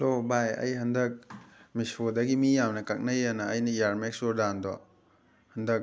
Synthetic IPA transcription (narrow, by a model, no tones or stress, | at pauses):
lobajɐ̰jɦɐndɐk̚misodɐɡimijamnɐkɐk̚nɐjanɐːjnɐijaɾmeksoɾdandɔ | hɐndɐk̚